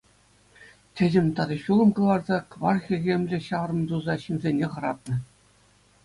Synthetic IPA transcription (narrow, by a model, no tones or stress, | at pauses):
tʲɘ̆dʲɘ̆mʲt̪ɑd̪ɑɕulˠɤ̆mkɤ̆lˠɑrzɑkʋɑrxʲĭɣʲemʲlʲɘ̆ɕɑʋrɤ̆md̪uzɑɕimʲzʲenʲeχɤ̆ɾɑt̪̚nɤ̆